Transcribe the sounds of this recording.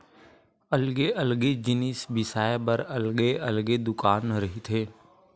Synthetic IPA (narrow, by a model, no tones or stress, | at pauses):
ɐlɡeʔɐlɡed͡ʒɪnɪsbɪsaːebɐɾɐlɡeɐlɡed̪ʊkaːnɾɐɦit̪ʰeː